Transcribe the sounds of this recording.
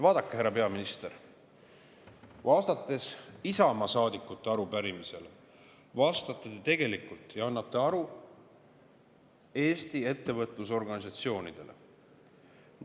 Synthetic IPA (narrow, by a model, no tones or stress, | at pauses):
vɑːd̪̥ɑkːeheɾːɑpe̞ɑminist̪e̞ɾ | vɑːst̪ɑt̪ˑːe̞sisɑmɑsɑːd̪ikːˑut̪ːˑe̞ɑɾupæɾimise̞le | vɑːst̪ɑt̪ːˑet̪et̪e̞ɡe̞likult̪ːˑjɑɑnːɑt̪ˑːe̞ɑɾu | e̞ːst̪ie̞t̪ːe̞vɤt̪ˑlus̬o̞rɡɑnisɑt̪sio̞ːnid̪̥e̞̰le̞̰